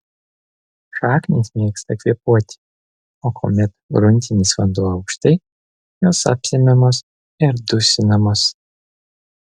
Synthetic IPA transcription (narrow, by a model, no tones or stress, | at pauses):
ʂaːknʲisʲmʲeːkst̪ɐkʋʲiɛpuɔt̪ʲ | okʰo̰mʲɛt̪ɡɾʊnʲt̪ʲɪnʲisfɐnd̪uːɐʊkʃt̪ɐj | joːsa̰pʲsʲɛmʲɛmoːs | ɪɾd̪ʊsʲɪnɐmos